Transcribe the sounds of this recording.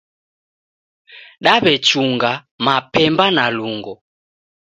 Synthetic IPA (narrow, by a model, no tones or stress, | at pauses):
ɗaβɛt͡ʃuŋɡa | mapɛmbanaluŋɡɔ